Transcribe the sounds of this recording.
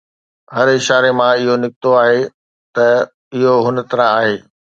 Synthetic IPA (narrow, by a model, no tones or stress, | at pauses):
ɦɐɾɪʃaːɾemãɪɦonɪkɪt̪oaːɦe | t̪ɐ | ɪɦoɦʊnə̆t̪ɐɾãaːɦeː